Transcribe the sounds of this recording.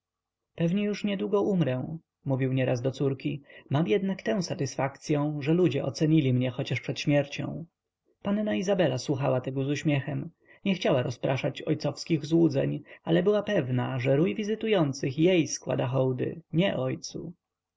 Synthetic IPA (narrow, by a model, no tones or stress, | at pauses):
pɛvɲɛjuʂɲɛd̪wuɡɔʔumɾɛ̃ | muvʲiwɲɛɾʔazd̪ɔt̪suɾkʲimamjɛd̪nakt̪ɛ̃w̃sat̪ɘsfakt̪sʲjɔ̃w̃ʐɛlud͡ʑɛʔɔt̪sɛɲilʲimɲɛxɔt͡ɕaʂpʂɛt̪ɕmʲjɛɾt͡ɕɔ̰̃w̃ | pannaizabɛlaswuxawat̪ɛɡɔzuɕmʲjɛxɛm | ɲɛxt͡ɕawaɾɔspɾaʂat͡ɕɔ̰jt̪sɔfskʲiɣzwud̪zɛ̰ɲalɛbɘwapɛvnaʐɛɾujvʲizɘt̪ujɔnt̪sɘxjejskwa̰d̪axɔwd̪ɘ̰ɲɛʔɔjt̪sṵ